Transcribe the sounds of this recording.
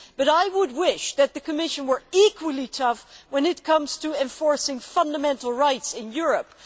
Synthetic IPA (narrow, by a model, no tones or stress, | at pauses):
b̥ʌɾaɪwəd̚wɪʃðɨt̪̚ðɨkʰɨmɪʃɨ̃nwə˞ikwəl̩ˠitʰʌfwə̃nɨt̚kʰʌ̃mz̥tʰəɛ̃ɱfɔɹsɪ̃ŋfʌ̃ndəmɛ̃ntˡl̩ˠɹaɪtsɪ̃njʊɹɨp̚